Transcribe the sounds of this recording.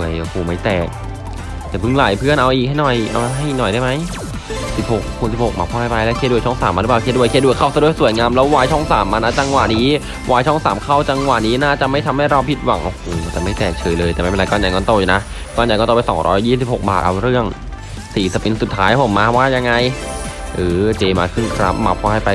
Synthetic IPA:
u˧˩əjʔo˨˩hoː˨˩ma˦˥˩jt̪ɛː˨˩k̚ | t̪ɛː˨˩pʰɯ˧˥˩ŋlaː˨˩˦jpʰɯ˥˩ənʔa˧wʔiː˨˩k̚ha˥˩jnɔ˨˩jʔa̰˧wɦa˥˩jnɔ˨˩jdaː˥˩jma˦˥j | si˨˩p̚ho˨˩k̚ho˨˩k̚si˨˩pho˨˩k̚maː˨˩pʰɔː˧˩˧pa˧jlɛ˦˥kʰeː˧˥˩du˧˩ət͡ɕʰːŋsaː˩˦mʔa˧ɾɯ˦˥paː˨˩kʰeː˧˥du˧˩əkʰːdu˩əjkʰa˥˩wsa˧du˧˩əjsu˨˩˦əjŋaː˧mlɛː˦˥wwaː˧jt͡ɕʰɔ˥˩ŋsaː˩˦mʔa˧na˦˥t͡ɕa˧ŋwa˨˩niː˦˥ | waː˧jt͡ɕʰɔ˥˩ŋsaː˩˦mkʰa˥˩wt͡ɕa˧ŋwa˨˩ʔniː˦˥naː˥˩t͡ɕa˨˩mːa˥˩t̪ʰmha˥˩jɾa˧wpʰi˦˥t̪̚wa̰˨˦ŋʔo˧˩hoː˨˩˧t̪ɛː˨˩ma˥˩jt̪ɛː˨˩t͡ɕʰɤː˧jlɤː˧jtɛ˨˩ma˥˩pːa˧kɔː˧˩nja˧˩kɔː˥˩t̪o˧˩juː˨˩na˦˥ | kɔː˥˩njkːt̪oː˧˩˧jsɔ̰ː˩˦ŋɾʔɔː˦˥jːiː˥˩s̬i˨˩p̚ho˨˩k̚ba̰ː˨˩t̪ʔa̰˧wɾɯ˥˩əŋ | siː˨˩˦si˨˩pi˧nsu˨˩t̪ʰːaː˦˥jpʰo˨˩˦mːaː˧waː˥˩ja˧ŋːa˧j | ʔɯː˨˩˦t͡ɕeː˧maː˧kʰɯ˥˩nkʰɾa̰˦˥p̚ma˧˥pʰːɔː˧ha˥˩jpa˧

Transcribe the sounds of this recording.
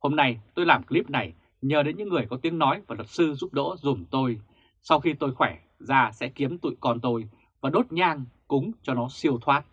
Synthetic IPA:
ho˧mna˧jt̪o˧jlaː˨˩mkli˦˥p̚na˨˩j | ɲəː˨˩ɗe˨˦nɲɨ̰˧˥ŋːɨ˨˩əjkɔ˨˦t̪i˨˦əŋnɔ˨˦jvaː˨˩lwə˨˩t̚sɨ˧zu˦˥p̚ɗo̰˧˥zu˨˩mt̪o˧j | sa˧wxi˧t̪o˧jxwɛ˧˩ | zaː˧sɛ̰˧˥ki˨˦əmt̪ṵ˧˨jkɔ˧nt̪o˧j | vaː˨˩ɗo˦˥t̚ɲaː˧ŋkʊ˨˦ŋ͡mt͡ɕɔ˧nɔ˨˦si˧əwt̪ʰwaː˦˥t̚

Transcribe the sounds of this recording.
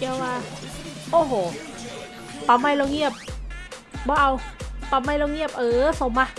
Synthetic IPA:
i˧˩ə˧waː˧ʔoː˧˩ɦoː˨˩˦ | pa˧˦mːa˧˩˨jlo˧ŋi˥˩əp̚ | bɔː˧˦ʔa˧wpa˧˩mːaː˧˩jlo˧ŋi˥˩əp̚ʔɤː˨˩so˨˦mːa˧

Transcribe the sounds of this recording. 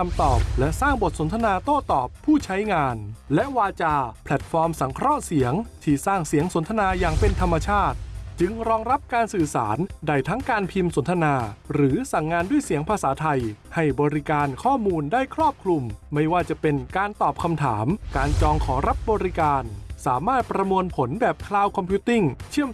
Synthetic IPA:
kʰa˧mt̪ɔː˨˩p̚lɛ˦˥ʔsaː˥˩ŋbo˨˩t̪̚so˩˦nt̪ʰa˧naː˧t̪oː˥˩t̪ɔː˨˩pʰːuː˥˩t͡ɕʰa˦˥jŋaː˧nlɛ˦˥ʔwaː˧t͡ɕaː˧pʰlɛ˨˩t̪̚fɔː˧msa˩˦ŋkʰɾɔ˦˥ʔsi˩˦əŋt̪ʰiː˥˩saː˥˩ŋsi˨˩˦əŋso˩˦nt̪ʰa˧naː˧jaː˨˩ŋpe˧nt̪ʰa˧mːa˧t͡ɕʰaː˥˩t̪̚t͡ɕɯ˧ŋɾɔː˧ŋɾa˦˥p̚kaː˧nsɯː˨˩sa̰ː˩˦nda˥˩jt̪ʰa˦˥ŋkaː˧npʰi˧mso˩˦nt̪ʰa˧naː˧ɾɯː˩˦sa˨˩ŋːaː˧ndu˥˩əjsi˨˩˦əŋpʰaː˧saː˩˦t̪ʰa˧jha˥˩jbɔː˧ɾi˦˥kaː˧nkʰɔː˥˩muː˧ndaː˥˩jkʰɾɔː˥˩p̚kʰlu˧mːa˥˩jwaː˥˩t͡ɕa˨˩pe˧nkaː˧nt̪ɔː˨˩p̚kʰa˧mt̪ʰaː˩˦mkaː˧nt͡ɕɔː˧ŋkʰɔː˩˦ɾa˦˥p̚bɔː˧ɾi˦˥kaː˧nsaː˩˦maː˥˩t̪̚pɾa˧mu˧ənpʰo˩˦nbɛː˨˩p̚kʰlaː˧wkʰɔ˧mpʰju˦˥t̪i˥˩ŋt͡ɕʰɯ˥˩əm

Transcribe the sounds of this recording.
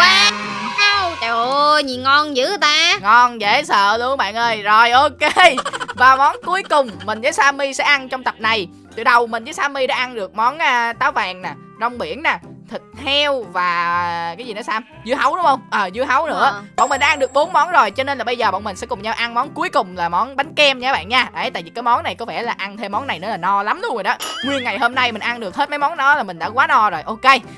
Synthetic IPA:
aː˧a˧wt͡ɕo˨ɲi˨ŋɔ˧nzɨ̰˧˥t̪aː˧ŋɔ˧nzḛ˧˥sə̰ː˧˨lu˧əŋɓa̰ː˧˨nʔəː˧jzo˨˩jʔo˧ke˧vaː˨˩mɔ˨˦nku˨˦əjkʊ˨˩ŋ͡mːï˨˩ŋ̟zəː˨˦jsaː˧mi˧sɛ̰˧˥ʔa˧nt͡ɕɔ˧wŋ͡mt̪ə˨˩p̚na˨˩j | t̪ɨ̰˧˨ɗə˨˩wmï̟˨˩zə˨˦saː˧mi˧ɗa̰ː˧˦ʔa˧nɗɨ˨˩ək̚mɔ˨˦nʔaː˧t̪aː˨˦wvaː˨˩ŋnaː˨˩ | zɔ˧wŋ͡mɓi˧˩ənnaː˨˩t̪ʰï˨˩k̟̚hʰɛ˧wvaː˨˩kaː˨˦jzi˨˩nɔ˨˦saː˧m | zɨ˧əɦə˨˦wɗʊ˨˦ŋ͡mhə˧wŋ͡mʔəː˨˩zɨ˧əɦə˨˦wnɨ̰˧˥əɓɔ̰˧˨ŋ͡mmï̟˨˩ɗaː˧ŋɗɨ˨˩ək̚ɓo˨˦nmɔ˨˦nzo˨˩jt͡ɕɔ˧ne˧nlaː˨˩ɓə˧jzəː˨˩ɓɔ̰˧˨ŋ͡mmï˨˩ŋ̟sɛ̰˧˥kʊ˨˩ŋ͡mɲaː˧wʔa˧nmɔ˨˦nku˨˦əjkʊ˨˩ŋ͡mlaː˨˩mɔ˨˦nɓa˨˦jŋ̟kɛ˧mɲː˧˨˦ɓa̰ː˧˨nɲaː˧a̰ː˧˨˦jt̪a̰ː˧˨vi˨˩kaː˨˦jmɔ˨˦nːa˨˩jkɔ˨˦vɛ˧˩laː˨˩ʔa˧nt̪ʰe˧mːɔ˨˦na˨˩jnɨ˧˥əlaː˨˩nɔ˧la˨˦mɗu˧ŋzoː˨˩jɗɔ˨˦˥mɨ˨˩əjŋa˨˩jɦo˧mna˧jmï˨˩ŋ̟ʔa˧nɗɨ˨˩ək̚he˦˥t̚mə˨˦jmɔ˨˦nɗɔ˨˦laː˨˩mï˨˩ŋ̟ɗa̰ː˧˥kwaː˨˦nɔ˧zo˨˩jʔo˧ke˧j

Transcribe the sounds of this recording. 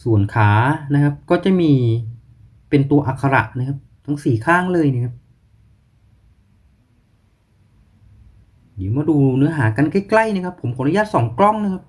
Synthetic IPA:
su˨˩ənkʰaː˩˦na˦˥kʰa˦˥p̚kɔː˥˩t͡ɕa˨˩miː˧ | pe˧nt̪u˧ɐʔa˨˩kʰːa˧ɾa̰˨˩ʔna˦˥kʰa˦˥p̚t̪ʰa˥˩ŋsiː˨˩kʰaː˥˩ŋlɤː˧jna˦˥kʰa˦˥p̚ | di˩˦wmaː˧˩duː˧nɯ˦˥ɐɦaː˩˦ka˧nka˥˩jkla˥˩jna˧˦˥kʰa˦˥pʰːo˩˦mkʰo˨˦nɾa˧jaː˧˥t̪̚sɔː˩˦ŋklɔ˥˩ŋna˦˥kʰa˦˥p̚

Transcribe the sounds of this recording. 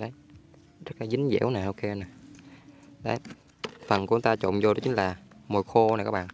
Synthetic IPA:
ɗə˨˦j | zə˦˥t̚laː˨˩zï˨˦ŋzḭ˧˨˥wnaː˨˩ʔo˧wke˧na˨˩ | ɗə˨˦j | fə˨˩nkŋ͡mt̪aː˧t͡ɕo̰˧˨ŋ͡mzo˧ɗɔ˨˦t͡ɕï̟˨˦laː˨˩mo˨˩jxo˧n˧˨˩jkaː˦˥ɓ̰ː

